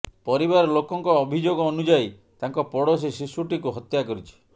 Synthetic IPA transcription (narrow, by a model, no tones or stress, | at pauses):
pɔɾibaɾɔlokɔŋkɔːbʱid͡ʒoɡɔːnud͡ʒaj | t̪aŋkɔpɔɽɔs̬esisuʈikuɦɔt̪jakɔɾit͡ʃʰi̥